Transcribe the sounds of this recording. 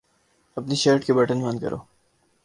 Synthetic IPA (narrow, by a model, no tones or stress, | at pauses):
ɐpniʃəːɾʈkebɐʈənbɐ̃nd̪kɐ̰ɾʔo̰ː